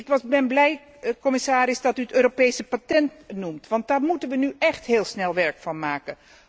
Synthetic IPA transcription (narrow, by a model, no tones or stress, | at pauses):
ɪkʋɑbɛnblɛj | kɔmɪsaːɾɪsdɑtyətøːɾopejsəpatɛntnumtʋɑnt̚daːɹmutənʋənyʔɛχtɦɪːlˠsnɛlˠʋɛɹkfɑnmaːkə